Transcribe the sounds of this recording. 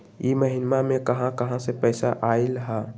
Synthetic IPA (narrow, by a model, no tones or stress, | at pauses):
jiməɦɪnmamẽkɐɦãkɐɦãsepəɪsaʔaːɪlɦɛ̃ː